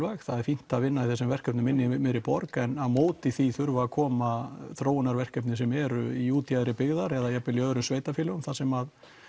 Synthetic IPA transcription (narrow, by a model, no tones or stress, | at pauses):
vaxθaðɛɾ̥fin̥t̪aðvɪnːaiθɛs̬ːʏmvɛr̥kœpnɪmɪnːɪmɪðɾɪpɔɾkɛnaðmoːwt̪ɪθiθʏɾvaːkʰɔːmaθɾoːwɪnaɾvɛr̥kœpnɪs̬ɛmɛɾʏiuːt̪jaðɾɪpɪɣðaɾɛðajɛpɪljœːðʏɾʏmsveːjt̪afjɪlɪʏmθasɛmað